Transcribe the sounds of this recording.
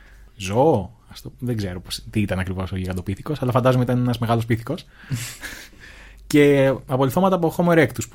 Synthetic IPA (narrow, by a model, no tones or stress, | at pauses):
zoɐft̪oðeɡze̞ɾopost̪iit̪ɐnɐkɾivo̞soʝiɣɐd̪o̞piθiko̞sɐlɐfɐnd̪ɐzomeit̪ɐnenɐzmeɣɐlos̬piθi̥ko̞s | ce̞ɐpoliθo̞mɐt̪ɐpoxomeɾekt̪us